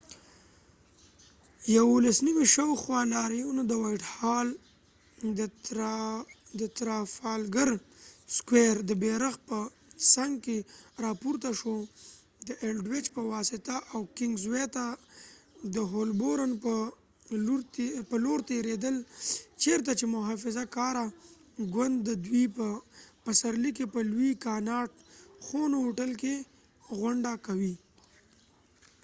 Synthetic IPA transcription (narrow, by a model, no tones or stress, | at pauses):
jawolasniwiʃawxwɑnɑɾijunod̪əwajʈhɑl | d̪ə | d̪ət̪ɾɑfɑlɡəɾskweɾd̪əbeɾaxpə | saŋɡkeɾɑpuɾt̪aʃo | d̪əʔelɖwɪt͡ʃpəwɑsɪt̪aʔawkɪŋɡzwet̪a | d̪əɦolboɾənpə | ɾpəloɾt̪eɾed̪əlt͡ʃeɾt̪̬at͡ʃemʊɦɑfɪzakɑɾa | ɡwand̪ːəd̪wipəpəsaɾlikepəlwikɑnɑʈxonoːʈəlke | ɣʊɳɖakawi